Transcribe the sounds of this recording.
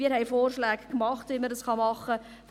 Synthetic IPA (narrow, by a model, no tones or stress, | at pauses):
iːɦɛɪfoːrʃlæːɡkmɑχtʋiməɾdəsχɑmɑχːə | f